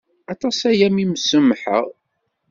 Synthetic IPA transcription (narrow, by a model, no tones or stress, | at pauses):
ɑt̪ˤɑsæjæmiməsəmħə̰ʁ